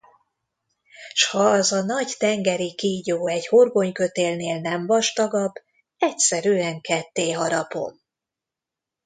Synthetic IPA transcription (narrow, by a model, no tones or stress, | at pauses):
ʃhɒːzɒnɒɟt̪ɛŋɡɛɾikiːɟoːɛɟho̞rɡo̞ɲkø̞t̪eːlneːlnɛmvɒʃt̪ɒɡɒb | ɛcsɛɾyɛŋkɛt̪ːeːɦɒɾɒpo̰m